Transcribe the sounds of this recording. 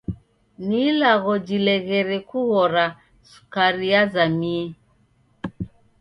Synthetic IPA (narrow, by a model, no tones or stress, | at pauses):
nilaɣɔd͡ʒilɛɣɛɾɛkuɣɔɾa | su̥kaɾiazamiɛ